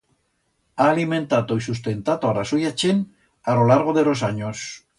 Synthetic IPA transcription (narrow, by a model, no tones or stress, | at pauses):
aːlimẽ̞nt̪at̪oisust̪e̞nt̪at̪oaɾasojat͡ʃen | alolaɾɣ̞oðeɾos̬aɲos